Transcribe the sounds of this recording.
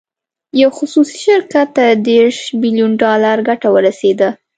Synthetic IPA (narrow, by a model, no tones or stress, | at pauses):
jawxʊsusi̥ʃɪɾkat̪ːad̪eɾʃbilijunɖɑlaɾɡaʈawəɾased̪a